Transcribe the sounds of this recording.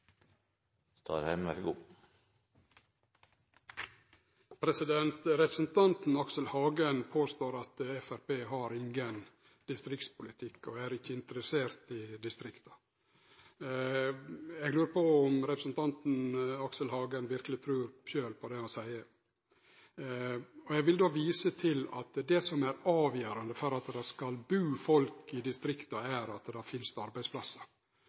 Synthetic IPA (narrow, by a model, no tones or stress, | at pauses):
st̪ʰɑ̰ːɾhɛmɛlɡuː | pʰɾɛsɪd̪ɛnt̪ɾɛpɾəsnt̪ʰɑnt̪n̩ɑksəlhɑːɡənpʰoːst̪oːɾɑt̪ɛfæɾpeːɦɑɾɪŋɡən | d̪̥ɪst̪ɾɪkt̪spʊlɪt̪ʰɪkːɔæːɾɪçːəɪnt̪əɾəseːɾt̪ɪd̪ɪst̪ɾɪkt̪ɑ̥ | ɛɡlʉːɾpɔʊmɾɛpɾəsnt̪ʰɑnt̪n̩ɑksəlɦɑːɡənʋɪɾkəlɪt̪ʰɾʉːɾʃøːlpʰɔd̪ɛɔsæɪə | ɔjɛɡʋɪld̪oːʋiːsət̪ʰɪlɑ̰t̪d̪ɛsɔmæɾɑːʋjøːɾɑnd̪əfɔɾɑt̪d̪ɑskɑlbʉːfɔlkɪd̪ɪst̪ɾɪkt̪ɑæɾɑt̪d̪ɑfɪnst̪ɑɾbæɪspʰlɑsːə